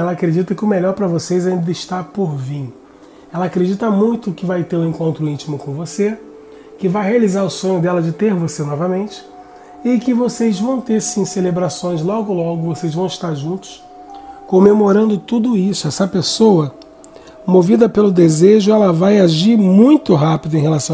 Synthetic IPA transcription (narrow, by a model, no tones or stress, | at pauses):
ɛlɐakɾed͡ʒit̪ɐkɪʊmeʎɔɾpɾɐvosejzɛĩd̪ɪʃt̪apoɾvĩ | ɛlɐakɾed͡ʒit̪ɐmũj̃t̪ʊkɪvajt̪eɾũẽŋkõnt̪ɾʊĩt͡ʃimʊkõvose | kɪvajɦealizaɾʊsõɲʊd̪ɛlɐd͡ʒɪt̪eɾvosenɔvɐmẽnt͡ʃɪ̥ | ɪkɪvosejzvɐ̃w̃t̪eɾsĩselebɾasõj̃zlɔɡʊlɔɡʊvosejzvɐ̃w̃ɪʃt̪aɾʒũt̪ʊ̥s | kõmemoɾɐ̃nd̪ʊt̪ud̪ʊisʊɛsɐpesowɐ | movid̪ɐpelʊd̪ezeʒʊɛlɐvajaʒiɾmũj̃t̪ʊɦapid̪ʊẽj̃ɦelasɐ̃